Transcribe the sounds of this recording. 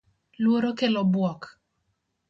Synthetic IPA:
lwoɾokelɔbwɔk

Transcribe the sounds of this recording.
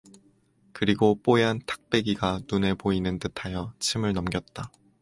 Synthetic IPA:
kɯɾiɡop͈oeɦantʰḁk̚p͈e̞ɡiɡanune̞poinɯntɯtʰajʌt͡ɕʰimɯɭnʌmɡjʌt̚t͈a

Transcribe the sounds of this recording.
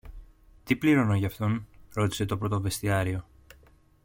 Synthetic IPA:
t̪ipliɾo̞no̞ʝɐft̪o̞nɾo̞t̪i̥se̞t̪o̞pɾot̪ove̞st̪iɐɾio̞

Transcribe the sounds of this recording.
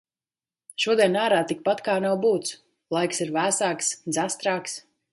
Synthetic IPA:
ʃuɔd̪ɛnaːɾaːt̪ik̚pat̪kaːnawbuːt̪s | lˠajksiɾvæːsaːksd̪zast̪ɾaːks

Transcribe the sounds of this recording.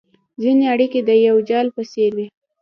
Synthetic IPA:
zineaɽiked̪əjawd͡ʒɑlpəseɾwi

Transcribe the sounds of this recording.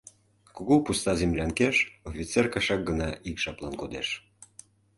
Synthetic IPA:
kuɣupust̪ɑzemlʲæŋkeʃofʲit͡serkɑʃɑk̚ɡə̆nɑʔikʃɑplɑnkod̪eʃ

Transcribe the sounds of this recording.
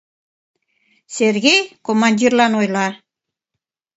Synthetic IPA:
serɣejkomɑnʲdʲirlɑnojlɑ

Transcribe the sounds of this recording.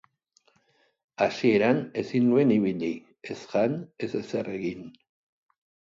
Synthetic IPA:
asie̞ɾane̞sinnue̞niβiʎi | esʝane̞sesere̞ɣin

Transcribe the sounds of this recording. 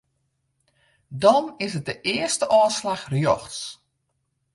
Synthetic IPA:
dɔnɪsət̚dəʔɪəstəʔɔːslaxrjɔxts

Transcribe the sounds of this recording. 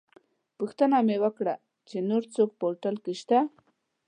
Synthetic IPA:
puxt̪ənamewəkɽa | t͡ʃenoɾt͡sok̚poɾʈalkeʃt̪a

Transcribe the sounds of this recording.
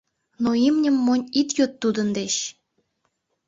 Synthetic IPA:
noimnʲə̆mːonʲit̪jot̪ːud̪ə̆nd̪eɕ

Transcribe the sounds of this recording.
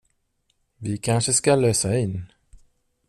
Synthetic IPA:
vɪkʰanʂəskaløːsaɪnː

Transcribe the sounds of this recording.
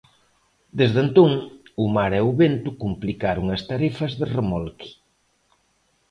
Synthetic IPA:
d̪ezðent̪uŋumaɾɛuβent̪ukumplikaɾuŋɐst̪aɾifɐzðeremolki̥

